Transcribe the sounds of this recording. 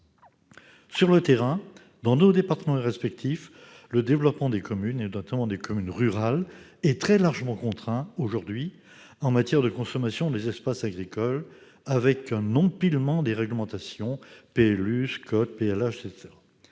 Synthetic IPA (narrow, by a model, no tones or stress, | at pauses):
syʁlət̪eʁɛ̃ | d̪ɑ̃nod̪epaʁt̪əmɑ̃ʁɛspɛk̚t̪if | ləd̪evlɔpmɑ̃d̪ekʰɔmynenɔt̪amɑ̃d̪ekɔmynʁyʁal | ɛt̪χɛlaʁʒəmɑ̃kɔ̃t̪χɛ̃oʒuʁd̪ɥi | ɑ̃mat̪jɛʁd̪əkɔ̃sɔmasjɔ̃d̪ezɛspasaɡʁikɔl | avɛkɛ̃nɔ̃pilmɑ̃d̪eʁɛɡləmɑ̃t̪asjɔ̃peɛlyskɔt̪̚peɛlaʃet̪eʁa